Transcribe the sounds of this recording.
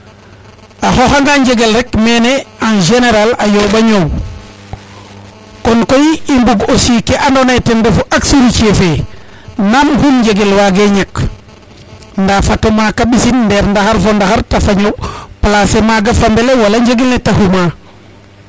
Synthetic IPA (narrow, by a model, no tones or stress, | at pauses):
axoxaŋɡaɲɟeɡelɾekmeneanʒeneɾalajoɓaɲow | kɔnkojimbuɡosikeʔandonajtenbefuʔaksuɾit͡ʃefe | namhunɲd͡ʒeɡelwaɡeɲak | ndafatomakaɓisinndɛɾndaxaɾfondaxaɾtafaɲoplasemaɡafambelewalaɲɟeɡelnetahuma